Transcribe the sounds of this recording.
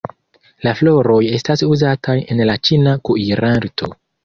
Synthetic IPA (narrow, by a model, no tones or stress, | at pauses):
laflo̞ɾo̞je̞stasuzatʰaje̞nlat͡ʃinakuiɾaɾtʰo̞̰